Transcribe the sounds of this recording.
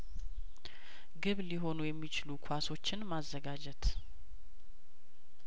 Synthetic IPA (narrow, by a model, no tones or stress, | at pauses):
ɡɨβliɦo̞nujɛmːit͡ʃɪlukʰaso̞t͡ʃːɪnmazːəɡad͡ʒɛt̪